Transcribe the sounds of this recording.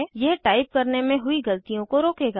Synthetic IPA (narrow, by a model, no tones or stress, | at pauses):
jɛɦʈaːɪp̚kɐɾnemẽɦʊiɡɐlt̪ijõkoɾoːkeːɡa